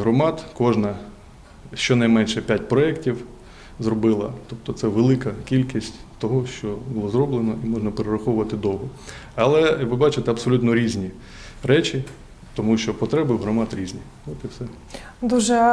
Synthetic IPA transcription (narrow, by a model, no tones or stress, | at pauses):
ɦɾɔmɑt̪kɔʒnɐ | ʃt͡ʃɔnɐjmɛnʃɛpʲjatʲpɾɔɛktʲiw | zrɔbɪlˠɐ̰t̪ɔp̚t̪ɔt̪sɛʋelˠɪkɐkʲilʲkʲisʲtʲ | t̪ɔɦɔʃt͡ʃɔbʊlˠɔzɾɔblˠenɔʔimɔʒnɐpeɾɪɾɐxɔʋʊʋɐt̪ɪd̪ɔwɦɔ | ɐlˠɛʋɪbɑt͡ʃɪt̪ɛɐbsɔlʲut̪nɔɾʲizʲnʲi | ɾɛt͡ʃʲi | t̪ɔmuʃt͡ʃɔpɔt̪ɾɛbɪɦɾɔmɑt̪ɾʲizʲnʲi | ʋɔt̪ɪwsɛ | d̪uʒɛ